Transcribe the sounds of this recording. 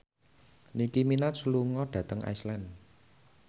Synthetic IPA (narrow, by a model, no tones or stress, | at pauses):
nikiminat̪sluŋɔɖ̥ä̤t̪əŋa̰jslan